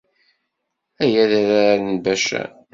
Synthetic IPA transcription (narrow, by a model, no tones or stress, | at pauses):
æjæðæɾaɾənbæʃæ̰